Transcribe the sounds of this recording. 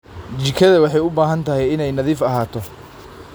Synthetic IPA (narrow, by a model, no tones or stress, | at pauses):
t͡ʃɪkʰɐðɐwɑħɑjʊbaːɦɐnt̪ʰɐɦɛjɪnɛjnɐðiːfɐɦaːt̪ʰɔ